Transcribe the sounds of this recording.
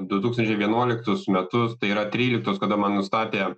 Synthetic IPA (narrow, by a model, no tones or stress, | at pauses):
d̪ʊt̪uːksɐnʲt͡ʃʲɛɪʋʲiɛnuɔlʲɪkt̪ʊsmʲɛt̪ʊst̪ɐɪiːɾɐt̪ʲɾʲiːlʲɪk̚t̪oːskɐd̪ɐmɐnnʊst̪ɑːpʲeː